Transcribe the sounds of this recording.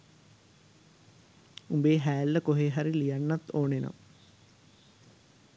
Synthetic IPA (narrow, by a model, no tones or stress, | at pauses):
umbeːɦæːlːəkoɦeɦaɾilijanːat̪oːnena̰m